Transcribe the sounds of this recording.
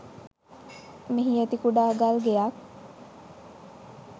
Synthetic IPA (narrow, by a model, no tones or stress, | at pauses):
miɦiet̪ikuɖaːɡalɡejak